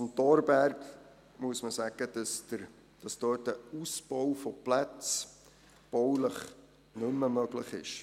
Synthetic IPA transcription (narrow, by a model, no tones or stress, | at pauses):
mt̪ɔɾbæɾk | muəsməsæɡ̥ədəsdəɾ | d̥ɑsd̥øːt̚əusb̥ɔwfɔplæt͡s | b̥ɔwləχ | nɵmːəmœɡləχɪ̰ʃ